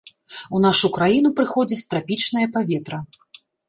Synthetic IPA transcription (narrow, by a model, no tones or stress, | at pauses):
un̪aʂukɾajinupɾɨxɔd͡zʲit͡sʲt̪ɾapʲit͡ʂn̪ɐjɐpavʲɛt̪ɾɐ